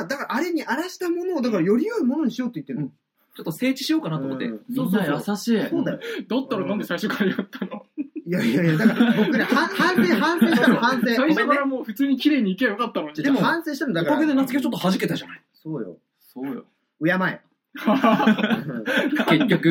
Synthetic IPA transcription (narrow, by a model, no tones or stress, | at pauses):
ad̪akaɾaːɾe̞ɲ̟iaɾaɕi̥t̪amo̞no̞ːd̪akaɾajo̞ɾʲijoimono̞ɲ̟iɕijo̞t̪ːeji̟t̪ːeñ | t͡ɕo̞t̪ːo̞se̞ːt͡ɕi̥ɕijoːkanat̪ːomot̪ːesoːsoasaɕiːssoːd̪ajod̪ot̪ːaɾanãnd̪esaiɕo̞kʰaijot̪ːanoijaiajad̪akkaɾkoknehãhãɰ̃seːhãɰ̃sẽːit̪amohãɰ̃sẽsaiokɾamoːɸɯ̟t͡sɨːɲ̟ikʲiɾe̞ːɲ̟iːkejokat̪ːanoɲiid̪emohãɰ̃seːɕi̥t̪anmod̪akoked̪enat͡sɨ̥ɡet͡ɕo̞t̪ːohaʑike̞t̪aʑanaiso̞ːjo̰ | soːjo | ojamaḛ | ha | ke̞kʲːo̞kɯ̟